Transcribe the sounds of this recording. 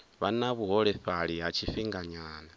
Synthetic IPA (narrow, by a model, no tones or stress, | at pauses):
βanaβuɦɔɺɛɸaɺiɦat͡ʃʰiɸiŋɡaɲaːna